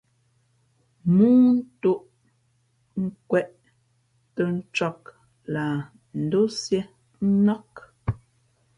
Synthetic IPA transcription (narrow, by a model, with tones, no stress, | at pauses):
muː˦n̩˦tu˦˨ʔ | ŋ̩˦kwɛ˦˨ʔ | tə˦n̩˦t͡ʃɔ˦k | la˨ | n̩˨˦du˦sje˦ | n̩˦nɔ˦k